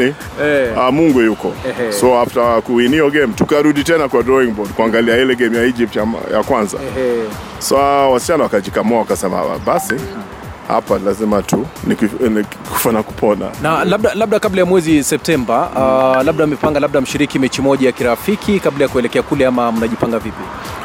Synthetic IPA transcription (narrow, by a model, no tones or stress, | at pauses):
i | ɛamuŋɡujukɔ̰sɔaftakuiniɔɡɛmtukaɾuɗitɛnakwadɾɔiŋbɔdkuaŋɡaliailɛɡɛmjaid͡ʒip̚taja̰kwanza̰ | sawasi̥t͡ʃanawakaʄikamɔawakasɛma̰ɓasi | ha̰palazimatunikniku̥fanaku̥pʰɔna̰nalabɓ̚ɗalaɓ̚ɗakablajamwɛzisɛp̚tɛmbalaɓ̚ɗamɛpaŋɡalaɓ̚ɗam̩ʃiɾikimɛt͡ʃimɔʄajakiɾafikʰikablajakuɛlɛkɛakulɛamam̩unaʄipaŋɡavipi